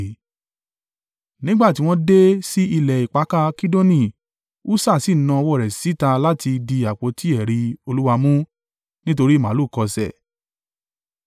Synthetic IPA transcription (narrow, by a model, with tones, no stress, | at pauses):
nĩ˦ɡ͡ba˦˨ti˦w̃ɔ̃˦de˦si˦i˧lɛ˨i˨k͡pa˨˦ka˦ki˦do˦nĩ˦˨ | u˦sa˦˨si˦˨˦nã˧ɔ˧wɔ˦˨ɾɛ˨si˨˦ta˧la˦ti˧di˧a˨k͡po˨˦ti˦ɛ˨ɾi˧o˧lu˦wa˧mũ˦ | nĩ˦t̬o˧ɾi˦˨mã˨˦lu˦˨kɔ˧sɛ̰˨